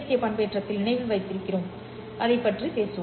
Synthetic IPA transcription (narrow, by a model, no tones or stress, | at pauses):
sɪjɐpɐɳbeːʈrɐt̪ːɪlnɪɳɐɪʋɐlʋɐɪt̪ːɪɾɯkːɪroːm | ʔɐðɐɪpːɐʈripeːsɯ